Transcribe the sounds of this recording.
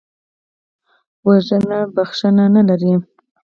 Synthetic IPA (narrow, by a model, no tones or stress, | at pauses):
waʒənabaxʂənanalaɾi